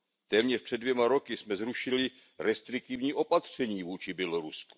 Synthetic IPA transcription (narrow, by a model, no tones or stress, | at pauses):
t̪ɛːmɲɛʃpr̥ɛdvjɛmaɾo̞kɪsmɛzɾuʃɪlɪ | ɾɛst̪ɾɪk̚t̪ivɲiːʔo̞pat̪r̝̥ɛɲiːvuːt͡ʃɪbjɛloɾusku̥